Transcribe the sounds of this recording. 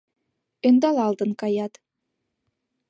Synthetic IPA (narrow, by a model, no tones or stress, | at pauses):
ø̆nd̪ɑlˠɑlˠd̪ɤŋkɑjɑt̪